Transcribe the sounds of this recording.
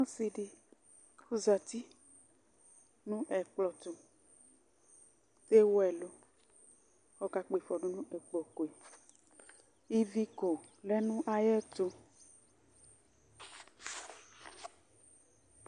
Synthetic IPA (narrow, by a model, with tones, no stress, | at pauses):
nɔ̃˦si˨ɖi˨ | xu˦za˨t̪i˦ | nũ˦ʔɛ˨k͡plɔ˨t̪o˨ | t̪e˦wo˦ɛ˨lo˦ | xɔ˦ka˨k͡pe˨fɔ˨ɖo˦nũ˦ʔe˨k͡pɔ˨ko˨e˨ | i˦vi˦ko˨lɛ˦nũ˦ʔa˨jɛ˦t̪o˦